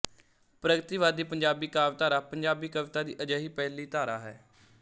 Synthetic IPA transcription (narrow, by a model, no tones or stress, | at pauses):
pɾəɡət̪iːʋaːd̪iːpəɲd͡ʒaːbiːkaːʋt̪aːɾaːpəɲd͡ʒaːbiːkəʋɪt̪aːd̪iːʔəd͡ʒaːɦiːpɛːɦliːt̪aːɾa̰ːɦɛ̰ː